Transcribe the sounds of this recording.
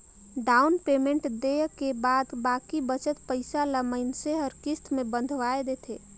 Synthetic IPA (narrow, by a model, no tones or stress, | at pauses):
ɖaːʊnpeːmẽɳʈd̪ekebaːd̪baːkibət͡ʃət̪pəɪsaləməɪnseɦəɾkɪst̪mẽbə̃nd̪ʱʋaed̪eːt̪ʰeː